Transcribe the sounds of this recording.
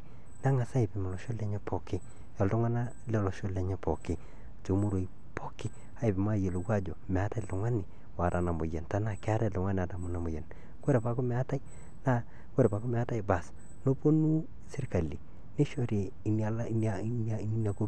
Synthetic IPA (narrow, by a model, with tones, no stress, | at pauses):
na˦ŋa˨sa˦ɪ˨pɪ˨m˨lɔ˨ʃo˦le˨˦ɲɛ˦po˨kɪ˦ | jɔ˨ltʊ˦ŋwa˦na˦ | lɛ˦lɔ˨ʃo˦le˨ɲɛ˦po˨kɪ˦ | to˨mu˦ɾo˨i˨ | pʰo˦kɪ˦ | a˦ɪ˨pɪ˨ma˦˨je˨lo˨kwa˦d͡ʒo˨mɛ˨a˦ta˦ɪ˨lʊ˨ŋa˦nɪ˨ | wa˨ta˨na˨mʊ̰˨jɛ˨nta˦na˨kɪ˦a˦ɾa˦˨lʊ˨ŋa˦n˨a˨ta˨mʊ˦na˨mʊ˨jɛ˨n | ko˦ɾe˨pa˨˦ko˦mɛ˨a˦ta˦i˦ | na˦ | ko˦ɾe˨pa˨ko˦mɛ˨a˦ta˦jba˨s | no˦po˦nu˦ | sɪ˦ɾka˨li˨ | nɪ˦ʃo˦ɾi˨n˦n˦n˦i˦n˦a˨ko˦